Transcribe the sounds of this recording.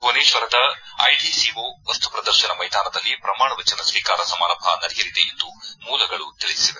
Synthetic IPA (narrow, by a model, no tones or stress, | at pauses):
ɦoːneːʃʋɐɾɐd̪ɐɐ̰jɖisiːʋuʋɐst̪u̥pɾɐd̪ɐɾʃɐnɐmɐjd̪aːnɐd̪ɐlːipɾɐmaːɳɐʋɐt͡ʃɐnɐsʋiːkaːɾɐsɐmaːɾɐmbʱɐ̰nɐɾijɐɾid̪eend̪umuːlɐɡɐɭut̪iɭid̪isiʋe